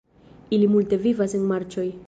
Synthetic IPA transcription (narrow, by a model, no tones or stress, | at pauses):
ilimulte̞vivasenmaɾt͡ʃo̞j